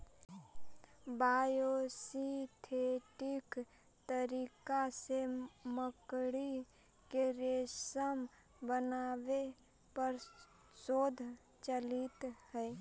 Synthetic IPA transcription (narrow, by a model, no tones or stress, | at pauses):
baːjosit̪ʰeːʈɪk | t̪əɾiːkaseməkɽi | keɾesəm | bənaːʋe | pəɾ | soːd̪ʱ | t͡ʃəlɪt̪hɛ